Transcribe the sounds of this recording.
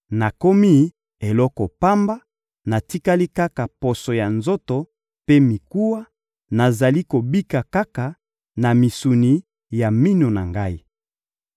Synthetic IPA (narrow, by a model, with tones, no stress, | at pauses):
na˨ko˦mi˦ | e˨lɔ˦kɔ˨pa˦mba˦ | na˨ti˦ka˦li˦ka˦ka˨po˨so˨ja˨nzo˦to˨ | pe˦mi˨ku˦wa˦ | na˨za˨li˦ko˨bi˦ka˨ka˦ka˨ | na˨mi˨su˨ni˨ | ja˨mi˦no˨na̰˨ŋɡa˦i˦